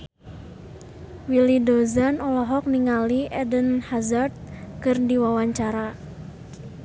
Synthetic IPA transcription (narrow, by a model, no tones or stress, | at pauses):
wilidozanɔlɔɦɔk̚niŋaliʔɛdənhazard̪̚kɨrdiwawaɲt͡ʃaɾa